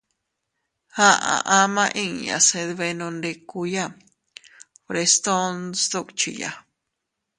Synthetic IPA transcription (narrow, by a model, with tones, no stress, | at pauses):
hã˦ʔã̰˨ʔã˧mã˦˧ʔĩ˦ŋjã̰˨se˧ðβe˧nõ˧nɖe˧ku˧ja˦ | pɾe˧st̪o˦nsd̪o˦˧kt͡ʃḭ˨ja̰˨